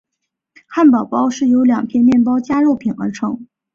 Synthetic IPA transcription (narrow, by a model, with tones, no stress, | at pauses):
kʰa˥˩npɑ˨˩ʊpɑ˥ʊʂɻ̩˥˩jo˧˥ʊljɑ˨˩ŋpʰjɛ˥˧nmjɛ˥˩npɑ˥ʊt͡ɕja˥ɻo˥˩ʊpʰi˨˩nə̰˞˧˥ʈ͡ʂʰɤ˧˥ŋ